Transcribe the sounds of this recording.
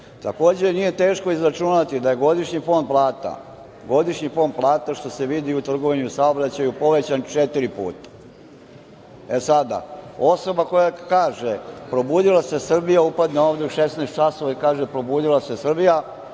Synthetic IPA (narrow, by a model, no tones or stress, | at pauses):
t̪ako̞ːd͡ʑe̞nije̞t̪e̞ːʃko̞izɾat͡ʃunat̪id̪aje̞ɡo̞d̪iʃɲifo̞nd̪̚plˠaːt̪a̰ | ɡo̞d̪iʃɲifo̞nd̪̚plˠaːt̪aʃt̪o̞se̞ʋid̪iut̪r̩ɡo̞ʋiɲusaobɾat͡ɕajupo̞ʋe̞t͡ɕant͡ʃet̪iɾipṵːt̪ḁ | e̞sad̪a̰o̞so̞bako̞jakaːʒepɾo̞buːd̪ilˠase̞sr̩bijaupad̪neoːʋd̪euʃesnaest̪t͡ʃaso̞ʋaikaːʒepɾo̞buːd̪ilˠase̞sr̩bija